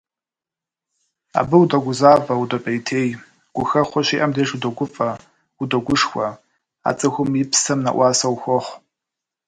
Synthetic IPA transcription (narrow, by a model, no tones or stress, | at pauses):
a̰bɨwudɐɡʷʊzaːvɐwdɐpʼɐjtʰeːj | ɡ̥ʷʊxɐχʷɔʃiʔɐmdeʒudɐɡʷʊfʼɐ | udɐɡʷʊʂxʷɐ | a̰t͡sʼɨxʷʊmipʰsɐmna̰ʔʷɑːsɐwxʷɔχʷ